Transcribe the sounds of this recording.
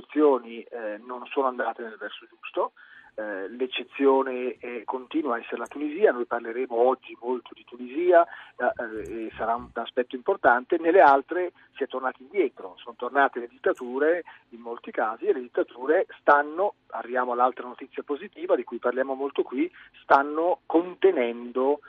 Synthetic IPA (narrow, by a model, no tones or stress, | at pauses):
ut̪sːjoːninonsoːnoand̪aːt̪enelvɛrsod͡ʒust̪o | let͡ʃːet̪sːjoːneɛkːont̪iːnwaɛsːeɾelat̪uniziːanojparleɾeːmoɔd͡ʒːimolt̪ʰod̪it̪uniziːa | esaɾauaspɛt̪ːoimport̪ant̪enelːealt̪ɾe | siɛt̪ːornaːt̪aind̪jɛːt̪ɾosont̪ornaːt̪eled̪it̪ːat̪uːɾe | imːolt̪ikaːzieled̪it̪ːat̪uːɾest̪anːoa̰rːivjaːmoalːalt̪ɾanot̪it̪sːjapozit̪iːvad̪ikujparljaːmomolt̪okwist̪anːokont̪enɛnd̪o